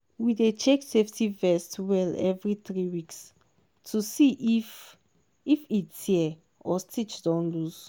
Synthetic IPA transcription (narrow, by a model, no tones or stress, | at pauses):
widet͡ʃekseftʰivɛstwɛlɛvɹiθɹiwiks | tʰusiʔf | ifitiɛ | ɔstʰit͡ʃdɔ̃nluz̥